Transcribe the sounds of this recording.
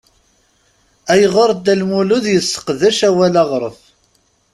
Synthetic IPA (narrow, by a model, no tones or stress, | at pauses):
æjəʁəɾˤd̪ːælmulʊðjəsːə̥qðæʃæwælɑʁɾˤəf